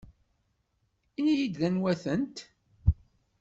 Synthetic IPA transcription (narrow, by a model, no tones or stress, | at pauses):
inijid̪lænwæθənt̪